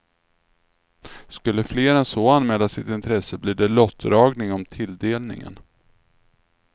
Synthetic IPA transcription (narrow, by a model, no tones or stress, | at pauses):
skɵlːəfleːɾɛnsoːanmɛːlːasɪt̪ɪnt̪ʰɾɛsːəbliːɖ̪ɛlɔt̪ʰːɾɑːɡnɪŋɔmt̪ʰɪld̪eːlnɪ̰ŋə̰n